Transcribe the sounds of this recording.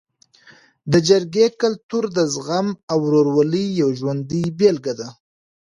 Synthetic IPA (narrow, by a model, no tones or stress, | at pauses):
d̪əd͡ʒaɾɡekalt̪uɾd̪əzɣamawɾoɾwalijawʒwand̪ibelɡad̪a